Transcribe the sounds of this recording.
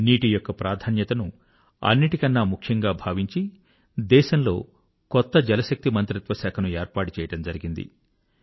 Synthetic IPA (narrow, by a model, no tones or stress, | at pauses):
niːʈijɔkːɐpɾaːd̪ʱaːnjɐt̪ɐnu | ɐ̰nːiʈikɐnːaːmukʰjɐŋɡaːbʱaːʋiɲt͡ʃi | d̪ɛːʃɐmlo̞ː | kɔt̪ːɐd͡ʒɐlɐʃɐk̚t̪imɐnt̪ɾit̪ʋɐsaːkʰɐnueːɾpaːʈut͡ʃɛːjɐɽɐmd͡ʒɐɾiɡind̪ḭ